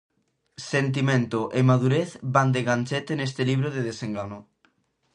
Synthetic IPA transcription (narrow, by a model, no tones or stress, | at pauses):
sent̪̬imẽnt̪oʔemaðuɾeθband̪eɣanʲt͡ʃet̪enest̪eliβ̞ɾoðeðeseŋɡano